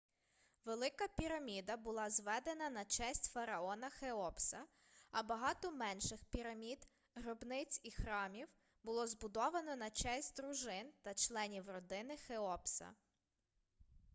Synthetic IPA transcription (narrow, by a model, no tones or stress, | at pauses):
ʋelˠɪkɐpʲiɾɐmʲid̪ɐbʊlˠɑzʋɛd̪enɐnɐt͡ʃɛsʲtʲfɐɾɐɔnɐxeɔpsɐ | ɐbɐɦɑt̪ɔmɛnʃɪxpʲiɾɐmʲid̪ | ɦɾɔbnɪt͡sʲixɾɑmʲiw | bʊlˠɔzbʊd̪ɔʋɐnɔnɐt͡ʃɛsʲtʲd̪ɾʊʒɪnt̪ɐt͡ʃlˠɛnʲiwrɔd̪ɪnɪxeɔpsɐ̰